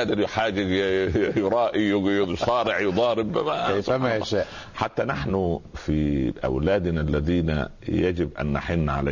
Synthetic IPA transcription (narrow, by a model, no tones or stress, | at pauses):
ʔd̪ɪljħaːd͡ʒ | jʊɾˤɑːʔijsˤɑːɾɪʕjʊd̪ˤɑːɾbːæmajsˤæmajaʃæːʔ | ħat̪ːanaħnʊfiʔa̰wlæːd̪nalːæðiːnæ̰ | jæd͡ʒɪbʔa̰nːaħɪnːʕa̰la